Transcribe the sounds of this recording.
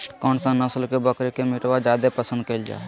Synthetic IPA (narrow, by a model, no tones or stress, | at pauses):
kɔːnsãnəslkebəkɾekemɪʈwad͡ʒjaːd̪epəsə̃nd̪kəld͡ʒa̰ː